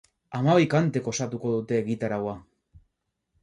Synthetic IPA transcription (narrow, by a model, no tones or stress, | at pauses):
amaβijkant̪e̞ko̞sat̪uko̞ðut̪e̞ːɣit̪aɾawa